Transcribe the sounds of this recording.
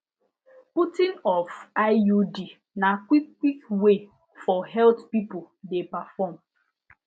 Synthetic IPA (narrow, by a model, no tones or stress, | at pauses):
putɪ̃nɔfaɪjudi | nakʷikkːʷikwe | fɔɦɛltpipʊl | depafɔm